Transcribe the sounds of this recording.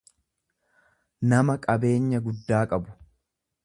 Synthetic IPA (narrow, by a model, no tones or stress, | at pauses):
nɐmɐkʼɐbe̞ːɲːɐɡʊd̪ːaːkʼɐbʊ̥